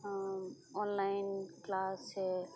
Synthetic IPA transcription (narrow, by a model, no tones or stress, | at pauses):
ɔnlajinklase